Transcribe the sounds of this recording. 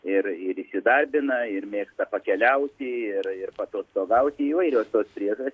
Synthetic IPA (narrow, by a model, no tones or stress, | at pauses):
ɪrɪɾiʃʲsʲɪd̪ɐrʲbʲɪnɐɪrmʲeːkst̪ɐpɐkʲɛlʲɛʊt̪ʲɪɪrɪrpɐt̪oːst̪oːɡɐʊt̪ʲɪiːʋɐɪɾʲoːst̪oːspʲɾʲiɛʒosʲ